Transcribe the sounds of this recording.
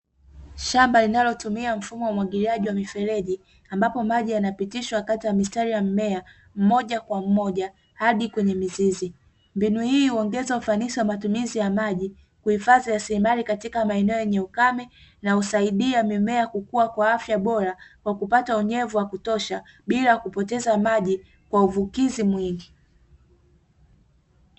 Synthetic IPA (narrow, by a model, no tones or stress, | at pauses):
ʃambalinalɔtumiam̩fumɔwaumwaɠiliaʄiwamifɛlɛʄi | ambapɔmaʄijanapitiʃwakatijamistaɾijamimɛa | m̩mɔʄakwam̩mɔʄa | haɗikwɛɲɛmizizi | mbinuhiːuɔŋɡɛzaufanisiwamatumizijamaʄi | kuhifazijasiɾimalikatikamaɛnɛɔjɛɲɛukamɛ | nausaiɗiamimɛakukuwakwaafjaɓɔɾakwakupatauɲɛvuwakutɔʃa | ɓilaakupɔtɛzamaʄi | kwauvukizimwiŋɡi